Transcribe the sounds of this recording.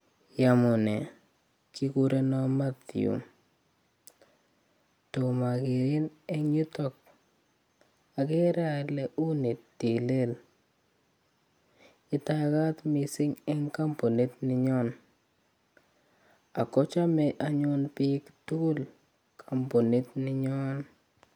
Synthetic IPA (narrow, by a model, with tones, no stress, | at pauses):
ja˨mʊ˨ne˨ | ki˦ku˦ɾe˦nɔ˦ma˦t̪j̰ṵ˨m | to˨ma˨ɡɪ˨ɾɪ˦nɛ˦ŋɲu˦tɔ˦k̚ | a˨ɡɪ˦ɾa˦˨lɛ˦ʔu˦ni˨tti˨le˦l | ɪ˨ta˦ɡa˦t̪mi˨sɪ˦ŋɛ˦ŋka˦mpo˨ni˦t̪nɪ˨˦ɲɔ˦n | a̰˨kɔ˦t͡ʃa˦mɛ˨ʔa˨ɲɔ˦npi˦ktu˦u˦l | kʰa˨mpo˨ni˦t̪nɪ˦ɲɔ˦n